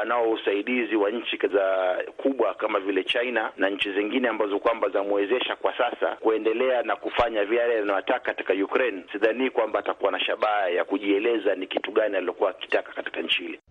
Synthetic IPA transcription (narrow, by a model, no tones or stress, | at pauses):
anaɔusaiɗiziwaɲ̩t͡ʃikzakʰuɓwakamavilɛt͡ʃainanaɲ̩t͡ʃiziŋɡinɛambazɔkwambaznamuɛzɛʃakwasasa̰kuɛndɛlɛanakufaɲavijalɛjanajatakakati̥kajukɾɛnsiðaniːkwambaːtakuwanaʃaɓajakuʄiɛlɛzanikituɠanialiɔkuwaki̥takḁkati̥kaɲ̩t͡ʃihilɛ